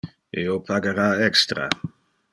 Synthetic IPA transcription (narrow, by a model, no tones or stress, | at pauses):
eopʰaɡeɾaːɛkst̪ɾa̰